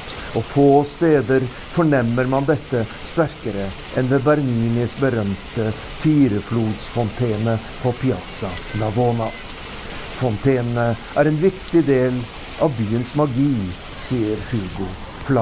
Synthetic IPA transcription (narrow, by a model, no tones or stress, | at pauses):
ɔfoːst̪eːd̪əɾ | fɔɳɛmːəɾmɑnd̪ɛt̪ːə | st̪æɾkəɾə | ʔɛnd̪ɛbæɾniːnɪsbəɾœmt̪ə | fiːɾəfluːd̪sfɔnt̪ʰeːnə | pʰɔpʰɪɑt̪sɑnɑʋoːnɑ | fɔnt̪ʰeːnnə | æɾɛnʋɪkt̪ɪd̪eːl | ʔɑʋbyːənsmɑɡiː | siːəɾhʉːɡʊ | flɑ